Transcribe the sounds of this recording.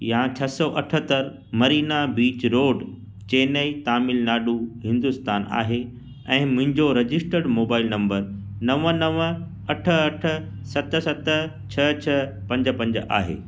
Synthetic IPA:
jat͡ɕʰɐsɔʔɐʈʰət̪əɾ | mɐɾiːnabiːt͡ɕɾoːɖ | t͡ɕeːnəit̪aːmɪlnaːɗuɦɪ̃nd̪ʊst̪aːna̰ːɦe | ɛ̃ːmʊ̃ɦɪ̃ɲd͡ʑoɾɐd͡ʑɪsʈəɖmoːbaːɪlnɐ̃mbəɾnɐʋənɐʋ | ɐʈʰəɐʈʰə̆ | sɐt̪̆sɐt̪ə | t͡ɕʰɐt͡ɕʰɐ | pɐ̃ɲd͡ʑə̆pɐ̃ɲd͡ʑʔa̰ːɦḛː

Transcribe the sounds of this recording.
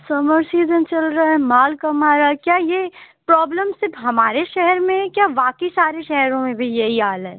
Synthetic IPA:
sɐməɾsiːzənt͡ʃɐlɾaaɛmaːlkɐmaːɾakjaːje | pɾɔːbləmsɪɾfɦɐmaːɾeʃɛɦɛɾmẽkjaːʋaːkəisaːɾeʃɛɦɾõmẽbʱijɐɦiaːlɛ

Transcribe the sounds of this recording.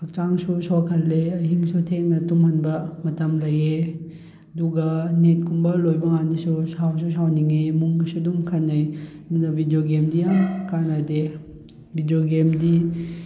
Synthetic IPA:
ɐk̚t͡ʃaŋsusɔkʰɐlːeɐɦiŋsutʰeŋnɐtumhɐnbɐmɐtɐmlɐje | ɐduɡɐnet̚kumbɐlojbɐŋandisusaws̬usawniŋemuŋɡisudumkʰɐnːɐjdunɐbʱidijoɡemdijakanade | bʱidioɡemdi

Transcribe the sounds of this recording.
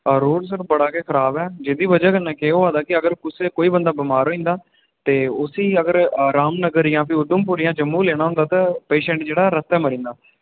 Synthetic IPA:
ɾoːɽsəɾbəɽaːkeːkʰəɾaːbɛːd͡ʒɪd̪iːbəd͡ʒɛːkənːɛ̃ːkeːoːaːd̪aːkɪəɡəɾkʊseːkoːiːbənd̪aːbɪmaːɾɦoːĩːnd̪aː | t̪eːʊsiːəɡəɾɾaːmnəɡəɾijãːpʰiʊd̪əmpʊːɾijãːd͡ʒəmːuːleːɽ̃aːɦʊnd̪aːt̪ãːpeːʃɛ̃ːɳʈd͡ʒeːɽaːɾəst̪ɛːməɾĩːnd̪aː

